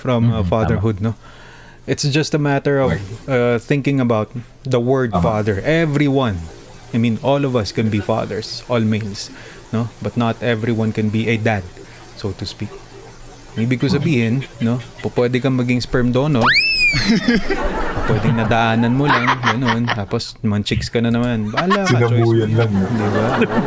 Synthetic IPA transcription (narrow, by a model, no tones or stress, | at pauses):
fɹɐ̃mfaðɛɹɦʊd̪̚no | ʔɪt̪sd͡ʒɐst̪ɐmat̪ɛɹɔvɐθɪ̃ŋkɪ̃ŋɐbawt̪̚ | d̪ɐwɜɹd̪̚faðɛɹʔɛvɾiwɐ̃n | ajmĩnʔolɔvɐskɛ̃nbifa̰ðɛ̰ɹsʔɔlmejls | nobɐt̪nɐt̪ɛvɹiwɐ̃nkɛ̃nbiʔɐd̪ad̪̚ | sowt̪ʊspik̚ | ʊŋʔiːbɪɡ̚kosɐbiːhɪnːo̞pɐpwɛd̪ɛkɐmɐɡɪŋspɛɹmd̪oːno | ɐpwɛd̪ɪŋnɐd̪ɐʔaːnɐnmolaŋɡɐno̞nt̪aːpos | mɐnt͡ʃɪkskɐnɐnɐmanbaːlaɪɐnɐt͡ʃojuːjɐnlŋd̪iba